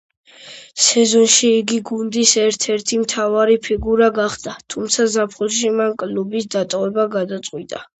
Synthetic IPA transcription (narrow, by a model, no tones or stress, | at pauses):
sɛzɔnʃiːɡiɡund̪isɛɾt̪ʰɛɾt̪ʰimt̪ʰavaɾipʰiɡuɾaɡaχd̪at̪ʰumt̪sʰazapʰχulʃimankʼlubisd̪at̪ʼɔvɛbaɡad̪at̪sʼqʼwit̪ʼa